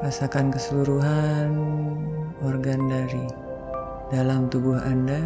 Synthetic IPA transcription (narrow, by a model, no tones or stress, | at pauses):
asakankəsəluɾuɦan | ɔrɡandaɾi | dalamt̪ubuɦa̰nda